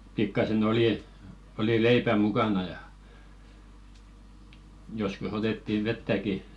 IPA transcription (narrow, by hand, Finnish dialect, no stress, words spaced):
pikːɑsen oliˑ oli leipæ mukɑnɑ jɑ joskus otetːiʋ̆ ʋetːæki